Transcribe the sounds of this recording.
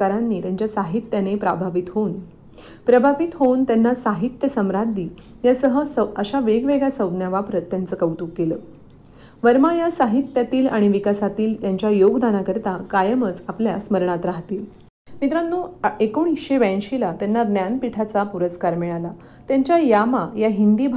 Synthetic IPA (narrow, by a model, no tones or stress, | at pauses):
aɾanːiːt̪jaɲt͡ɕjasaɦit̪janepɾabʱaʋit̪ɦoun | pɾəbʱaʋit̪ɦount̪janːasaɦit̪jəsəmɾad̪ʱiː | jasəɦəsəəɕaʋeɡʋeɡɭjasəwd̪njaʋapɾət̪ːjant͡səkəwt̪uːkːeləː | ʋəɾmajasaɦit̪jat̪iːlaɽ̃iʋikasat̪iːlt̪jaɲt͡ɕjajoɡd̪anakəɾt̪akajəmət͡sapljasməɾɳ̃at̪ɾaɦt̪iːl | mit̪ɾanːuːekoɳ̃isɕeʋɛ̃nɕilat̪janːad̪njanpiʈʰat͡sapuɾəskaɾmiɭala | t̪jaɲt͡ɕjajamajaɦind̪iːbʱ